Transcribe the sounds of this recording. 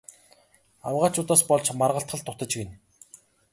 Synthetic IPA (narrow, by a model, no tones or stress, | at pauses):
awʁaːt͡ɕʊːt̪aːspɔɮt͡ɕmarʁə̆ɬt̪χə̆ɬt̪ʰːʊt̪ə̆t͡ɕɡen